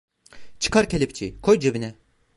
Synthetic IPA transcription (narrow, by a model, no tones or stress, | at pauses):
t͡ʃʰɯ̥kaɾcʰelʲip̚t͡ʃʰikʰojd͡ʒebinɛ